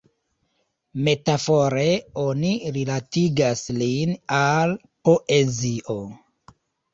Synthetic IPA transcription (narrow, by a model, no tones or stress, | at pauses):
me̞tafo̞ɾe̞o̞niɾilatiɡaslinal | po̞ʔeziʔo